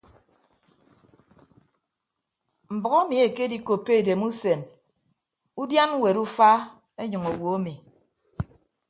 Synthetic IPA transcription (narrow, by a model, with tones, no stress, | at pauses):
m̩˨bɔ˨ɣo˦mi˨e˨ke˦di˨ko˨pːe˦e˨de˨mu˦se˨n | u˦dja˦n˦we˨ɾu˦fa˦ | e˦ɲɨ˨ŋo˨wo˨o˦mi˨